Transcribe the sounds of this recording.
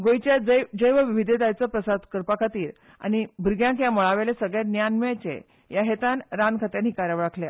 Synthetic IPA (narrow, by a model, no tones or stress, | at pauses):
ɡojt͡ɕjad͡zəjd͡zəjʋəʋiʋid̪ʱet̪ajt͡səpɾəsad̪kəɾpakʰat̪iːɾ | a̰ñibʱəɾɡjãŋkjamɔɭaʋelesəɡɭjat̪njanmat͡ɕḛ | jaɦet̪anɾankʰət̪janɦikaɾaʋɭakʰlja